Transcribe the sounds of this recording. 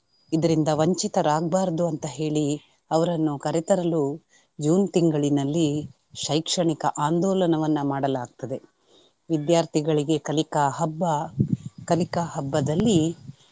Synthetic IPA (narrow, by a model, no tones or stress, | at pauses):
id̪ɐɾind̪ɐʋɐɲt͡ʃit̪ɐɾaːɡbaːɾɐd̪uɐnt̪ɐɦe̞ːɭi | ɐʋɐɾɐnːukɐɾet̪ɐɾɐlu | d͡ʒuːnt̪iŋɡɐɭinɐlːi | ʃɐjkʂɐɳikɐʔaːnd̪ɔːlɐnɐʋɐnːɐmaːɽɐlaːɡ̚t̪ɐd̪e̞ | ʋid̪jaːɾt̪ʰiɡɐɭiɡe̞kɐlikɐɦɐbːɐkɐlikaɦɐbːɐd̪ɐlːi